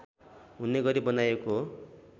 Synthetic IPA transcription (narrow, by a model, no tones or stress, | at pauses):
ɦunːeɡʌɾibʌnajeko